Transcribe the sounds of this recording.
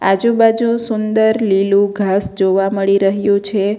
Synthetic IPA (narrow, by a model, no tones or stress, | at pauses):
a̰d͡ʒubad͡ʒũsʊnd̪əɾlilũɡʱasd͡ʒoʋaməɭiɾəɦjũt͡ʃʰe